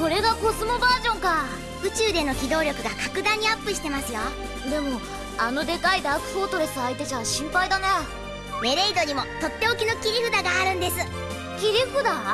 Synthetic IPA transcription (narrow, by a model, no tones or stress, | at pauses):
so̞ɾe̞ɡako̞sɨmo̞baːʑõ̞ŋka | ɯ̟t͡ɕɨːd̪e̞no̞kʲid̪o̞ːɾʲo̞kɯ̟ɡakakɯ̟d̪ãɲ̟ːiapːɯ̟ɕi̥t̪e̞masɨjo | d̪e̞mo̞ | ano̞d̪e̞kaid̪akɯ̟̥ɸo̞ːt̪o̞ɾe̞sɨait̪e̞t͡ɕaɕĩmpaid̪ane | me̞ɾeid̪o̞ɲ̟imo̞t̪o̞t̪ːe̞o̞kʲino̞kʲiɾʲiɸɯ̟d̪aɡaːɾɯ̟̃nd̪e̞sɨ | kʲiɾʲiɸɯ̟d̪a